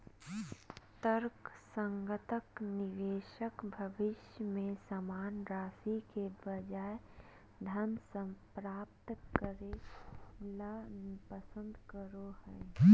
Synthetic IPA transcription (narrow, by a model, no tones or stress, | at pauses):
t̪əɾksə̃ŋɡət̪əknɪʋeːʃəkbʱəʋɪʃjəmẽsəmaːnɾaːsikebəd͡ʒaːe | d̪ʱənsəpɾaːp̚t̪kəɾe | lapəsə̃nd̪ʱkəɾohə